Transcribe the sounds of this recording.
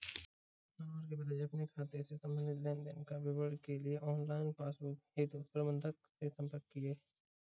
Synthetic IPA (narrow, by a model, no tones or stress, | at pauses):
naməɾkebɐd̪ajɐpnekʰaːt̪esesɐ̃mə̃nɪt̪lɛ̃ːnd̪ənkaʋɪʋəɽkelieʔɔːnlaːɪnpaːsbʊkɦeːt̪upɾəbə̃nd̪ʱəksesɐ̃mpəɾkːieː